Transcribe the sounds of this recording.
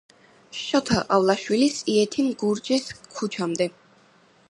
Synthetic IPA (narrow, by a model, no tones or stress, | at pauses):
ʃɔt̪ʰaʔavlˠaʃwilisiɛt̪ʰimɡuɾd͡ʒɛskʰut͡ʃʰamd̪ɛ